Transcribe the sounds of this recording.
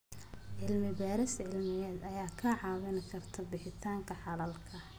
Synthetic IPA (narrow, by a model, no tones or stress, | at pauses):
ʕɪlmɪbaːɾɪsʕɪlmɪjɛːd̪ɐjaːkʰɐʕɑːwɪnɪkʰɐrt̪ʰɐbɪħɪt̪ʰaːŋkʰɐħɑlɐlkʰɐ